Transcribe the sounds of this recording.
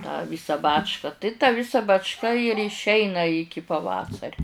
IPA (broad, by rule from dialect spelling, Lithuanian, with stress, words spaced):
tɑː ˈʋʲiːsɑː ˈbɑːt͡ʃkɐ tɐɪ tɑː ˈʋʲɪsɐ bɐt͡ʃˈkɐ ɪr ɪʃʲˈɛɪnɐ ˈɪkʲɪ pɐˈʋɑːsɐrʲʊ